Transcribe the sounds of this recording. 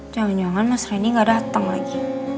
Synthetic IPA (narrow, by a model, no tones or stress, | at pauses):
d͡ʒaŋand͡ʒaŋanmasɾainiŋɡadaɦat̪aŋla̰ɡi